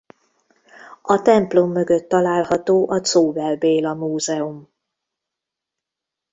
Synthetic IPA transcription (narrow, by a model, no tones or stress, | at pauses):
ɒt̪ɛmplo̞mːø̞ɡøt̪ːɒlaːlhɒt̪oːʔɒt̪soːvɛlbeːlɒmuːzɛom